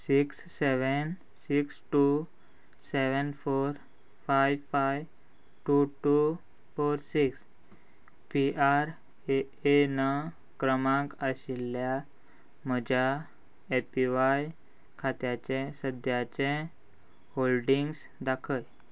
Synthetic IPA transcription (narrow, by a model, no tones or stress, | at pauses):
siksːeʋən | siksʈu | seʋənfoɾ | fajʋfajʋ | ʈuʈu | foɾsiks | piʔaɾ | e | ena | kɾəmãkəɕilːja | məd͡ʑʱa | epiʋaj | kʰat̪jat͡ɕẽsəd̪ʱjat͡ɕẽ | holɖiŋɡs | d̪akʰəj